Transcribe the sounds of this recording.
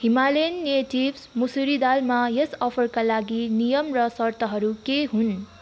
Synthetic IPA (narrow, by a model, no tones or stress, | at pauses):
himalenːieʈibsmusuɾid̪almajesʌpʰʌrkalaɡinijʌmrʌsʌrt̪ʌɦʌɾukeɦun